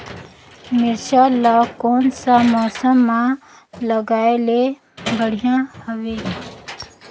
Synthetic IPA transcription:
mɪɾʃalakoːnsamɔːsəmːã | ləɡaːele | bəɽ̤ijãhəʋeː

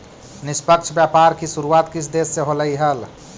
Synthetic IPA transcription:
nispəkt͡ʃʰbjapaɾkisuɾuat̪kit͡ʃʰd̪esːeɦoləjɦəl

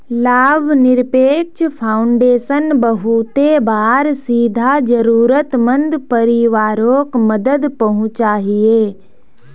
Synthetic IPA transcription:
laːbʱnɪɾpeːk̚t͡ʃpʰaːʊɳɖeːsənbɐɦut̪ebaːɾsiːd̪ʱad͡ʒəɾuːɾət̪mə̃nd̪pəɾiʋaːɾoːkməd̪əd̪pɐɦʊ̃t͡ʃaːɦieː

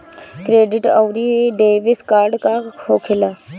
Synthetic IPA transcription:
kɾeːɖɪʈawɾiɖeːʋɪskaːɾɖkaːhoːkʰɪla

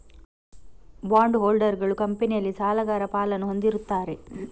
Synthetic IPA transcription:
baːɳɖɦoːlɖɐɾɡɐɭukɐmpɐnijɐlːisaːlɐɡaːɾɐpaːlɐnuɦo̞nd̪iɾut̪ːaːɾe̞

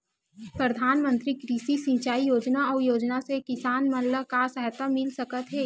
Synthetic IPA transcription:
pɾəd̪ʱaːnmə̃nt̪ɾikɾiːsisĩt͡ʃaːijoːd͡ʒnaɔːɾjoːd͡ʒnasekɪsaːnməlləkasɛɦt̪amɪlsɐkət̪ɦɛː

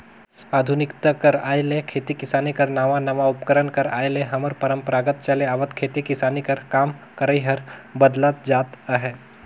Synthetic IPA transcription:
aːd̪ʱʊnɪkt̪əkɐɾaːjlekʰeːt̪ikɪsaːnikɐɾnaːʋanɐʋaʊpkəɾənkɐɾa̰ːjlẽɦɐməɾpɐɾəmpəɾaːɡət̪̚t͡ʃɐleaːʋət̪kʰeːt̪ikɪsaːnikɐɾkaːmkəɾəiɦɐɾbəd̪lat̪̚d͡ʒaːt̪əɦɛː

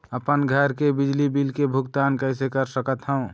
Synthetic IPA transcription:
əpənɡʱəɾkebɪd͡ʒlibilkebʱʊɡt̪aːnkəɪsekəɾsəkət̪ɦə̃ũ

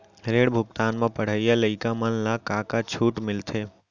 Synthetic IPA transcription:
ɾeːɽbʱʊk̚t̪aːnmẽpəɽ̤əijaləɪkamənlakaːkat͡ʃʰuːʈmɪlt̪ʰeː

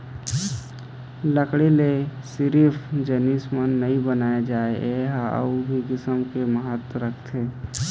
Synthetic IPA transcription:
ləkɽelesɪɾipʰd͡ʒənismənːəĩbənaːed͡ʒaːeʔeɦaə̰ubʱikɪsəmkeməɦət̪wəɾəkʰt̪ʰeː

